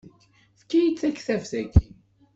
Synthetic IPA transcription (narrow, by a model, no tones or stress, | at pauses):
θkːæjit͡sːækθævθæk